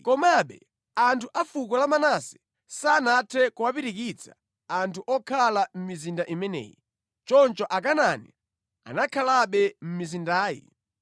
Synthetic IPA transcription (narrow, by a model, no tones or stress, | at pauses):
kɔmaɓɛ̰ | antʰuʔafukɔlamanasɛ̥ | saːnatʰɛkuwapiɾikit͡sʰḁ̰ | antʰuʔɔkʰalam̩mizindaʔimɛnɛ̰ːji | t͡ʃɔnt͡ʃɔʔakanani | a̰nakʰalaɓɛm̩mizindaːjḭ